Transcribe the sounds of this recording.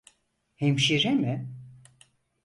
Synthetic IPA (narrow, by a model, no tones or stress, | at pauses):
hemʃiɾɛmɪ